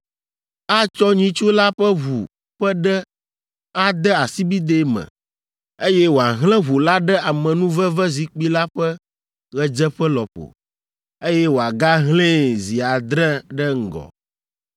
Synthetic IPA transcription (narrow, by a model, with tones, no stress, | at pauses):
a˦t͡ʃɔ˦ɲĩ˦t͡ʃu˦la˦ɸɛ˦βu˨ | ɸə˦ɖɛ˦ | a˦d̪ɛ˦a˨si˦bi˦d̪e˦mɛ̰̃˨ | e˦jɛ˦wo˨a˨ɦlɛ̃˦ɦu˨la˦ɖɛ˦a˨mɛ̃˨nũ˦və˦vɛ˦zi˨k͡pi˦la˦ɸɛ˦ | ɣɛ˦d͡ʒɛ˦ɸɛ˦lɔ˨ɸo̰˨ | e˦jɛ˦wo˨a˨ɡa˦ɦlẽ˦zi˨a˨d̪ɾɛ˦ɖɛ˦ŋ̩˨ɡɔ̰˨